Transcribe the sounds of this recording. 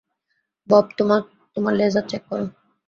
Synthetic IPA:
bɔb̚t̪a | t̪omaɾlezat̪̚t͡ɕɛkːɔɾun

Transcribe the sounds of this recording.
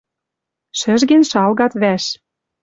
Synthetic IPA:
ʃɘ̆ʒɡĕnʃɑlɣɑt̪βæʃ

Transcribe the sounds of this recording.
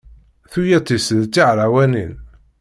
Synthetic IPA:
θujæt̪ˤːisðt͡sːiʕɾawænḭn

